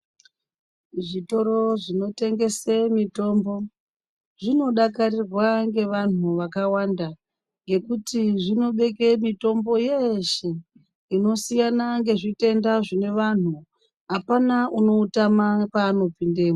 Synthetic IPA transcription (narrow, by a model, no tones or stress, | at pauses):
ʐito̞ɾo̞ʐino̞te̞ŋɡe̞semito̞ːmbo̞ | ʐino̞ɗakarirwaŋɡe̞ʋan̤uʋakawaːnda | ŋɡe̞kutiʐino̞ɓe̞k̬emito̞mbo̞jeʃe | ino̞sijanaŋɡe̞ʐite̞ndaʐine̞ʋan̤u | ɦapanauno̞utamapaːno̞pinde̞ːma